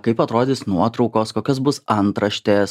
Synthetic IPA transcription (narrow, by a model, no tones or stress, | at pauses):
kɐɪpɐt̪ɾoːd̪ʲɪːsnuɔt̪ɾɒʊkoːskoːkʲos̬bʊsɐnt̪ɾɐʃʲt̪ʲeːs